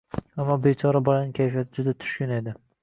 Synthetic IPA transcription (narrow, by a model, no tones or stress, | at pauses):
amːɒbet͡ʃʰɒɾabɒlanɪkʲʰajfijat̪ʰɪd͡ʒʊd̪at̪ʰʊ̥ʃkʲʊne̞d̪ɪ